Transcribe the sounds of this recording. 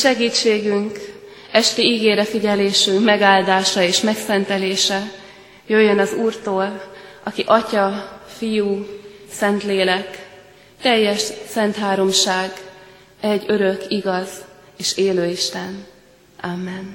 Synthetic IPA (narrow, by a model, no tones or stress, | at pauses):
ʃɛɡiːt͡ʃːeːɡyŋk | ɛʃt̪iiɡeːɾɛfiɟɛleːʃyŋkmɛɡaːld̪aːʃɒeːʃmɛksɛnt̪ɛleːʃɛ | jøjːønɒzuːrt̪oːlʔɒkiʔɒcɒfijuːsɛnt̪leːlɛk | t̪ɛjːɛʃsɛnt̪ɦaːɾo̞mʃaːɡ | ɛɟːø̞ɾø̞kiɡɒz | eːʃeːløːiʃt̪ɛn | aːmːɛn